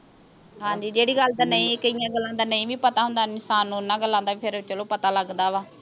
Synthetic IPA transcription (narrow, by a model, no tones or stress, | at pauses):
ɦãːɲd͡ʒiːd͡ʒeːɽiːɡəld̪aːnəĩːkəijãːɡəlːãːd̪aːnəĩːʋĩːpət̪aːɦʊ̃nd̪aːɪnsaːnːũːnːãːɡəlːãːnd̪aːipʰɪɾt͡ʃəlõːpət̪aːləɡd̪aːʋaː